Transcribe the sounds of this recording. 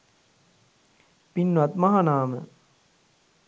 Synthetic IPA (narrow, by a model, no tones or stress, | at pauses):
pinʋɐt̪maɦanaːmə̰